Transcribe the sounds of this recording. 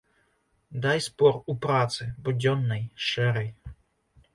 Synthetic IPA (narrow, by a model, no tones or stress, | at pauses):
d̪ajspɔɾupɾat̪sɨbɔd͡ʑʲɔnːɛjʂɛɾɛj